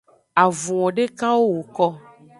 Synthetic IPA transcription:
a˨vũ˨wɔ̃˨ɖe˦kã˦wo˦wo˨kɔ˦

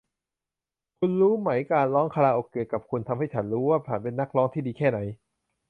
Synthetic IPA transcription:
kʰu˧nɾuː˦˥ma˩˦jkaː˧nlɔː˦˥ŋkʰa˧laː˧ʔoː˨˩kːeː˨˩ka˨˩p̚kʰu˧nt̪ʰa˧mha˥˩jt͡ɕʰa˩˦nɾuː˦˥waː˥˩pʰaː˨˩˦npe˧nːa˦˥˩k̚lɔː˦˥ŋt̪ʰiː˥˩diː˧kʰɛː˥˩na˩˦j

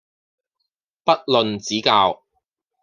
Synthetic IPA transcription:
pɐ˥t̚lɵ˨nt͡siː˨˥kaː˧w

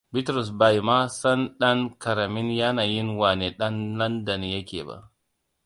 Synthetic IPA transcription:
bɪ˦tɾɔ˨s̬ba˨jma˦sɐ˦nɗɐ˦ŋkɐ˨ɾɐ˨mɪ˦nja˦naː˨jɪ˦nwaː˨neː˨ɗɐ˦nlɐ˦ndɐ˨njɐ˦kʲḛː˨ba̰˦ʔ

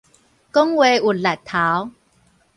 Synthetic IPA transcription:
ko˦˥ŋwe˨˧u˨˩t̚la˨˩t̚t̪ʰːa˨˦w

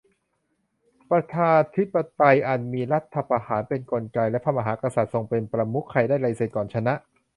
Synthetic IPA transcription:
pɾa˧t̪ʰaː˧nt̪ʰi˦˥pːa˧t̪a˧jʔa˨˩n̚miː˧ɾa˦˥t̪ʰːa˧pa˧haː˩˦npe˧nko˧nka˧jlɛ˦˥pʰa˧˩ma˧ɦaː˩˦kɾa˧sa˨˩t̪̚so˧ŋpe˧npɾa˧mu˦˥kʰːa˧˩jdaː˥˩jɾa˧jseː˨˩t̪̚kɔː˨˩nt͡ɕʰa˧na˦˥ʔ

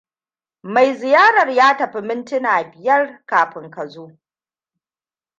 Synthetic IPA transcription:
ma˨jzɪ˨jaː˦ɾɐ˨rjaː˦tɐ˨ɸi˦mɪ˦ntɪ˦naː˨bɪ˨jɐ˦rkaː˨ɸɪ˨ŋkɐ˨zoː˦

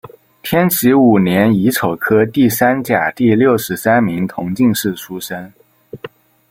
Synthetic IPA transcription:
t̪ʰjɛ˥nt͡ɕʰi˧˥u˨˩njɛ˧˥ni˧˥t͡sʰo˨˩ʊkʰɤ˥t̪i˥˩sa˥nt͡ɕja˨˩t̪i˥˧ljo˥˩ʊʂɻ̩˧˥sa˥nmi˧˥ŋt̪ʰʊ˧˥ŋt͡ɕi˥˧ŋʂɻ̩˥˩ʈ͡ʂʰu˥ʂə˥n

